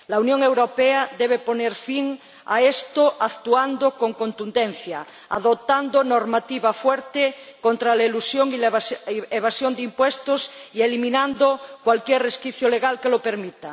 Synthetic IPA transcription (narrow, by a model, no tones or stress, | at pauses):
launjoŋewɾopeaðeβ̞eponeɾfiŋ | a̰est̪oʔakt̪uand̪okoŋkont̪und̪enθja | a̰ðot̪and̪onoɾmat̪iβafweɾt̪ekont̪ɾalaelusjoŋilaeβasjond̪eimpwest̪osielimĩnãnd̪okwalkjɛreskiθjoleɣalkelopeɾmit̪a